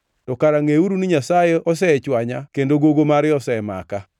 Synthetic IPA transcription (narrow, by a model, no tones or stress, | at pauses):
tɔkaɾaŋeuɾuniɲasajeɔs̬ɛt͡ʃwaɲakendoɡoɡomaɾɪɔsɛma̰ka